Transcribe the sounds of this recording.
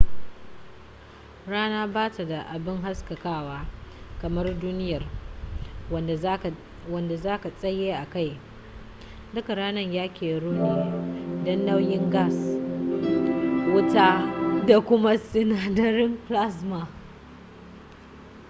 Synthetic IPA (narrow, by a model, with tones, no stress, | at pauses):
ɽaː˦naː˦baː˦ta˨da˨ʔa˨bɪ˦ŋɦa˦skɐ˨kaː˦waː˦kɐ˨mɐ˦rduː˦nɪ˦jɐ˨r | wɐ˦nda˨zaː˦ka˨sʼɐ˦jːeː˦ʔa˨ka˦˨j | dʊ˦ka˨ɽaː˦nɐ˦ɲjaː˦kʲeː˨ɽu˦ne˦˨dɔ˦nːa˦wjɪ˦ŋɡaː˦s | wʊ˦taː˦da˨kʷʊ˦ma˦sʊ˦naː˨dɐ˨ɾɪ˦mpla˦sma˨